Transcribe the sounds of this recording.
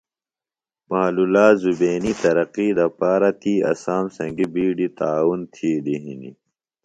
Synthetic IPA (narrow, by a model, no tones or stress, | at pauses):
maɦlulaːzubeːnit̪ɐɾɐqid̪ɐpaːɾat̪ʰiːɐ̰saːmsɐ̃ŋɡibiːɖit̪aːwunt̪ʰiːd̪iɦḭnḭ